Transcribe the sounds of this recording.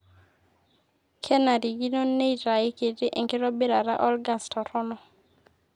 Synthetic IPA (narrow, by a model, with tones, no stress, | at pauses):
kʰɛ˦na˨ɾi˨ɡi˦no˦ne˦i˨ɾa˨e˦ke˨tɪ˦ʔe˨ŋkɪ˦ɾɔ˦be˦ɾa˨ɾa̰˦ʔɔ˦lɡa˦stʰɔ˨ɾɔ˦nɔ˨